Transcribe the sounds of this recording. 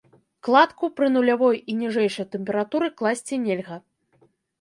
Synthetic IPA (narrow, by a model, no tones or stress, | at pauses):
klˠat̪kupɾɨnulʲavɔjinʲiʐɛjʂɐjt̪ɛmpʲɛɾat̪uɾɨklˠasʲt͡sʲinʲelʲɣɐ